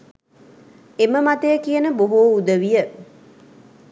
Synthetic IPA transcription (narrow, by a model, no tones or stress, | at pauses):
eməmat̪əjəkijənəboɦoːud̪əʋijə